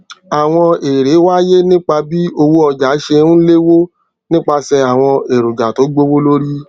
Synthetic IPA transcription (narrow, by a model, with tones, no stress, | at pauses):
a˨w̃ɔ̃˧e˨ɾe˨˦wa˦je˦nĩ˦k͡pa˧bi˦o˧wo˦ɔ˧d͡ʒa˨˦ʃe˧nũ˦le˦wo˦ | nĩ˦k͡pa˧sɛ˧a˨w̃ɔ̃˧e˨ɾu˨d͡ʒa˨to˨˦ɡ͡bo˦wo˦lo˦ɾi˦